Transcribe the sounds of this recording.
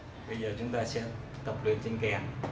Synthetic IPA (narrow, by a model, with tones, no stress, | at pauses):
ɓə˧jzəː˨˩t͡ɕʊ˨˦ŋ͡mt̪aː˧se˧ | t̪ə˨˩p̚lwḭ˨˩ənt͡ɕi˧nkɛ˨˩n